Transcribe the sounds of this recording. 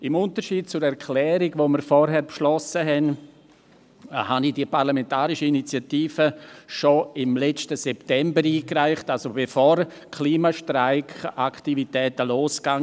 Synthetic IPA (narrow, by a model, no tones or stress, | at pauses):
ɪmʊntəʃiːd̥̚t͡sʊɾɛɾkʰlɛːɾiɡvoːmiɾfɔɾɦɛɾpʃlɔsəɦɛn | hanid̥iəpaɾlamɛntaːɾiʃəinit͡sjatiːfəʃoɪmlɛt͡stəsɛptɛmbəɾiːkraɪχtalsobefoːɾ | kʰliːmaʃtɾaɪkʰaktivitɛːtəloːsɡ̥aŋ